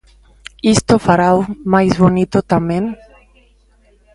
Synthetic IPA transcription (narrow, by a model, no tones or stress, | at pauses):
ist̪ofaɾawmajzβonit̪ot̪amen